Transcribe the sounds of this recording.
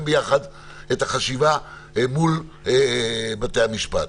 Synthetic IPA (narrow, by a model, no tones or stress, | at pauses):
mbejaχad | ethaχaʃiva | mul | bat̪eamiʃpat